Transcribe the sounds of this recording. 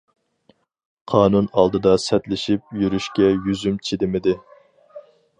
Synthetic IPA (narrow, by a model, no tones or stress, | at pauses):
qʰɑːnunɑlˠd̪ɨd̪ɑsɛt̪lɪʃip̚jyɾyʃkʲɛjyzymt͡ʃʰid̪ɪmɪd̪ɪ